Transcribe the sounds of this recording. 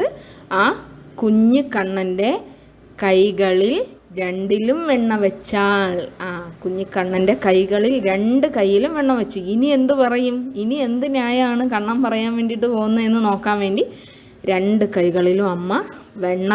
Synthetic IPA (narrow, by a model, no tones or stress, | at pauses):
ɨaːkuɲːɨkːɐɳːɐnde̞ | kɐjɣɐɭil | ɾe̞ɳɖilumʋeɳːɐʋet͡ɕːaːɭaːkuɲːukːɐɳːɐnde̞kɐjɣɐɭilɾe̞ɳɖɨkɐjːilumʋeɳːɐʋet͡ɕːuinie̞nd̪upɐrɐjuminie̞nd̪inaːjaːɳɨkɐɳːɐmpɐrɐjaːnʋe̞ːnɖiʈːɨpo̞ːɣunːɐe̞nːɨno̞ːkːaːnʋe̞ːɳɖi | ɾe̞ɳɖɨkɐjɣɐɭilumɐmːɐʋe̞ɳːɐ